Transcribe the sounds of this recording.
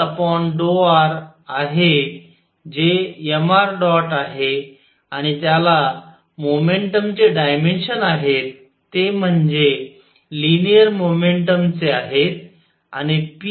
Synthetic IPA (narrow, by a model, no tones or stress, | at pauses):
əpɔɳɖoaɾaɦe | d͡ʑejəmaɾɖɔʈaɦe | aɽ̃it̪jala | momeɳʈəmt͡seɖajmenɕənaɦet̪ː | em̤əɳd͡ze | linijəɾmomeɳʈəmt͡seaɦet̪ | a̰ñip